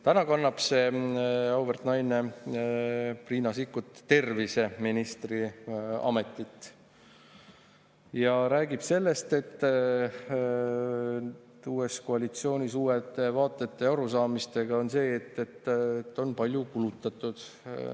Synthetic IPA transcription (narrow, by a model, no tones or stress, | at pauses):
t̪ænɑkɑnːɑb̥se̞ | ɑwbert̪nɑjne̞ | priːnɑsikːut̪ːe̞rvise̞minist̪riɑ̰me̞t̪ːˑit̪ːˑ | jɑɾæːɡib̥se̞lːe̞st̪e̞t̪ː | uːe̞sko̞ɑlit̪sio̞ːnʲisuːet̪ːe̞vɑːt̪ːˑe̞t̪ːe̞ɑɾusɑːmist̪e̞ɡ̥ɑo̞nse̞ːt̪ːe̞t̪ːt̪ːo̞npɑlʲjukulut̪ːˑɑt̪ˑːud̪̥